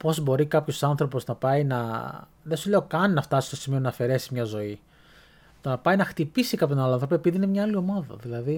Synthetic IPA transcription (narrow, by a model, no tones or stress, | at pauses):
po̞zbo̞ɾikɐpço̞sɐnθɾo̞poznɐpɐinɐ | ðesule̞o̞kɐninɐft̪ɐsist̪o̞simio̞nɐːfe̞ɾe̞simɲɐzo̞i | t̪o̞nɐpɐjinɐxt̪ipisikɐpt̪onaloɐ̃nθɾopoepiðiinemɲɐɐlio̞mɐðɐ̰ðilɐði